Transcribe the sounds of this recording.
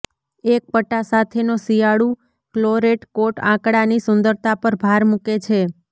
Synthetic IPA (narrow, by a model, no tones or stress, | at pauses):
ek̚pəʈːasat̪ʰenosijaɽu | kloɾeʈkoʈã̰kɽanisʊnd̪əɾt̪apəɾbʱaɾmuket͡ʃʰe